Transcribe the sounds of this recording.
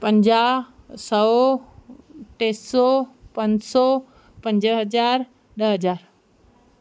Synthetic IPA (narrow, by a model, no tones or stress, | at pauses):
pə̃ɲd͡ʑaːsɐ | ʈeːsɔpɐ̃ɲd͡ʑsɔ | pɐ̃ɲd͡ʑɦɐd͡ʑaːɾ | ɗəɦɐd͡ʑaːɾ